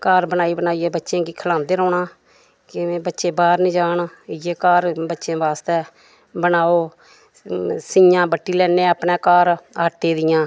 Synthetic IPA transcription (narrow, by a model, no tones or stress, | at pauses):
kaːɾbənaːiːbənaːiːɛːbətːʃẽːɡiːkʰəlãːnd̪eːɾɔːɳaː | kɪẽːbətːʃeːbaːɾnĩːd͡ʒaːnjeːkaːɾbətːʃẽːʋaːst̪ɛː | bənaːoː | sɪjãːbəʈːiːlɛːnẽːaːpneːkaːɾaːʈːeːd̪ɪjãː